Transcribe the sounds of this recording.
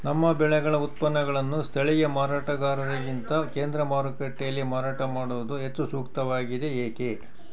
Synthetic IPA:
nɐmːɐbɛɭɛɡɐɭɐut̪̚pɐnːɐɡɐɭɐnːust̪ʰɐɭijɐmaːɾaːʈɐɡaːɾɐɾɐɡint̪ɐke̞ːnd̪ɾɐmaːɾkeʈːejɐlːimaːɾaːʈɐmaːɽuʋud̪uɦet͡ʃːusuːkt̪ɐʋaːɡid̪e̞eːke̞

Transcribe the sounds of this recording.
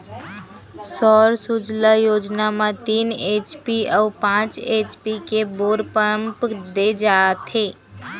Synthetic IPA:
sɔːɾsud͡ʒləjoːd͡ʒnamãt̪iːneːt͡ʃpiʔɔːpãːt͡ʃeːt͡ʃpikeboːɾpəəmpd̪ed͡ʒaːt̪ʰe

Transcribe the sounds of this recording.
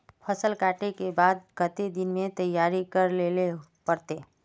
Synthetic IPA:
pʰəsəlkaːʈekebaːd̪̚kət̪ed̪ɪnmẽt̪əjaːɾikəɾlelepəɾt̪eː

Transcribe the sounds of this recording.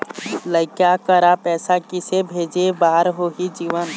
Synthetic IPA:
ləɪkjakəɾapɛːsakɪsebʱeːd͡ʒebaːɾɦoːɦid͡ʒiːʋən

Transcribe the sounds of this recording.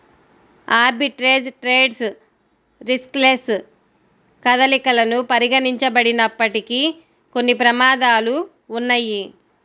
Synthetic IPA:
aːɾbiʈɾeːd͡ʒʈɾeːɖs | ɾiskles | kɐd̪ɐlikɐlɐnupɐɾiɡɐniɲt͡ʃɐbɐɽinɐpːɐʈiki | ko̞nːipɾɐmaːd̪aːluː | nːɐjːi

